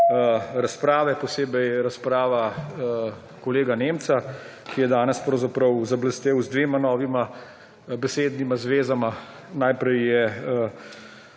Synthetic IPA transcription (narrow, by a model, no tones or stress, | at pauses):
ɾaspɾaːʋɛpɔseːbɛjɾaspɾaːʋa | kɔleːɡaneːmt̪sa | kijɛd̪aːnɛspɾɔwzapɾəwzabləst̪eːwzd̪ʋeːmanɔːʋima | bɛseːd̪nimazʋeːzama | najpɾɛjːɛ